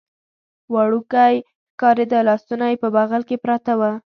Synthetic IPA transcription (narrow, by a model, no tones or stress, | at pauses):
wɑɽukaj | kɑɾed̪əlɑst̪unajpəbaɣalkepɾat̪awa